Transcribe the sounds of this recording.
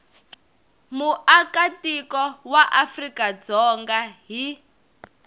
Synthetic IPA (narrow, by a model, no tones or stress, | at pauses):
muʔakatikɔwaʔafrikad͡zɔŋɡaɦi